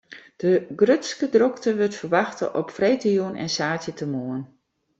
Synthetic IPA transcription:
d̥əɡrøtskədroktəʋøtfərʋɑxtə̰ʔɔpfrejtəjuənɛ̰nsaːtjətʰəmoən

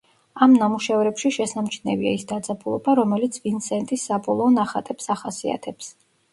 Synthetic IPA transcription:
amnamuʃɛvɾɛpʃiʃɛsamt͡ʃʰnɛvia̰isd̪ad̪zʼabulˠɔ̰baɾɔmɛlit̪sʰvint̪sɛnt̪ʼisːabɔlˠɔːnaχat̪ʼɛpsaχasia̰t̪ʰɛps

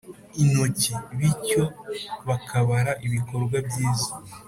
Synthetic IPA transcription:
ino̞ceβico̞βakʰaβaɾaʔiβiko̞ɾɡwabjiːzḁ

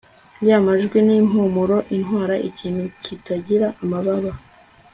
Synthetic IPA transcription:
jaːmaʒɡweniːmumuɾo̞ʔinɦwaːɾaʔiciːnhucitaɟiɾaʔːmaβaβa

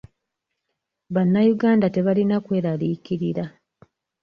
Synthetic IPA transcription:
βanːajuɡaːndate̞βalinakwe̞ːɾalikiɾiɾa

